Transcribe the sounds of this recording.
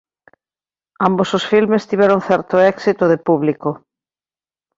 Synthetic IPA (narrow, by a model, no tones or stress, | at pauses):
ambososfilmest̪iβɛɾoŋθɛɾt̪oɛksit̪oðɪpuβliko